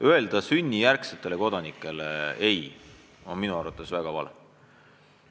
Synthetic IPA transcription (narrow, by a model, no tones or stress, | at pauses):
øe̞ld̪̥ɑsynʲːijærkset̪ːˑe̞le̞ko̞d̪ɑnikːˑe̞leej | o̞nminuɑrvɑt̪ːˑe̞svæɡ̥ɑvɑ̰le